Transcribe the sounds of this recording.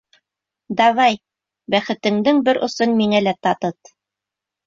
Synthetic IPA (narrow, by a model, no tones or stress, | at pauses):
d̪ɑβɑj | bæχɘ̆t̪ɘ̆ŋd̪ɘŋbɘɾʔŏsɤnmiŋælæt̪ɑt̪ɤt̪̚